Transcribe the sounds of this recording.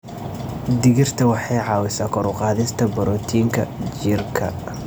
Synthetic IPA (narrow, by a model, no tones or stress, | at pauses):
d̪ɪɣɪrt̪ʰɐwɑħɑjʕɑːwɪsaːkʰɔɾʊqɑːðɪst̪ʰɐbɔɾɔːt̪ʰiːŋkʰɐ̰d͡ʒirkʰɐ̰